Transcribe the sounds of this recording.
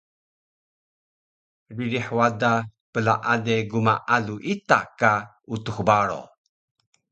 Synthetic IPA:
ɾiɾiħwadapəlaʔadeɡumaʔaluʔit̪aka | ut̪uxbaɾo̰

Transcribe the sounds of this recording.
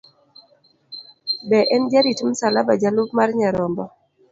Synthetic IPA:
bɛʔɛnd͡ʒaditumsalabad͡ʒalupmarɲaɾɔmbɔ

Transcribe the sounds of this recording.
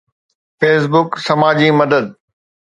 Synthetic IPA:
feːsbʊksɐmaːd͡ʑimɐd̪əd̪̚

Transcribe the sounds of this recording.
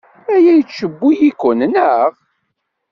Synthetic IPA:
æjæjt͡sːʃəbːujikʷːʊnnəʁ

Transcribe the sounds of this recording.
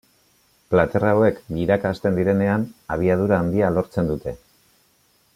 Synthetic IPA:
plat̪e̞rawe̞kbiɾakast̪e̞nd̪iɾe̞ne̞anaβ̞iað̞uɾaːnd̪ialo̞ɾt͡se̞nd̪ut̪e̞

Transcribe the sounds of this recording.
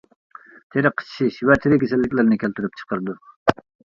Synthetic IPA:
t̪ʰeɾɪqʰːə̥t͡ʃʰʃiʃwɛt̪ʰɪɾɪkʲʰesɛlːɪkʲlæɾnɪkʲʰælt̪ʰyɾyp̚t͡ʃʰə̥qəɾɨd̪u

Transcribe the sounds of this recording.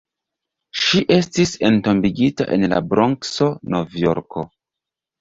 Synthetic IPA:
ʃiʔe̞stise̞nto̞mbiɡita̰ʔenla̰bɾoŋkso̞no̞vjo̞̰ɾkʰo̞

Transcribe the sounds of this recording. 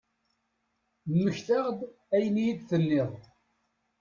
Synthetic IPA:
mːəçθaʁd̪ | æjənijid̪θənːɪðˤ

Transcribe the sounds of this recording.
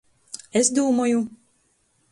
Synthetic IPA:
esd̪uːmɔju

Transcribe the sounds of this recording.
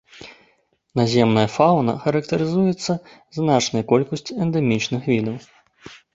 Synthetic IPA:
nazʲɛmnɐjɐfawnɐ̰xɐɾɐkt̪ɐɾɨzujɛt̪sːɐ | znat͡ʂnɐjɐkɔlʲkɐsʲt͡sʲiɛnd̪ɛmʲit͡ʂnɨxvʲid̪ɐw

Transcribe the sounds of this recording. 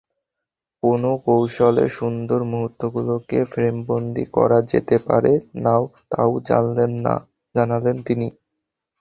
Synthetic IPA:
konokowʃolḛʃund̪oɾmuɦut̪ːoɡulokefɾembond̪ḭkɔ̰ɾad͡ʑet̪epa̰ɾenaot̪a̰od͡ʑaa̰ | d͡ʑanalent̪ini

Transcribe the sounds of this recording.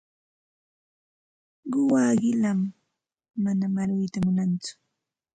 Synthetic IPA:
ɢʊwaːɢɪlamː | anamaɾɪjt̪amʊnant͡sʊ̥

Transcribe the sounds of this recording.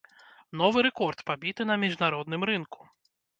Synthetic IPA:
n̪ɔvɨɾɛkɔrt̪pabʲit̪ɨnɐmʲiʐnaɾɔd̪nɨmɾɨnku̥

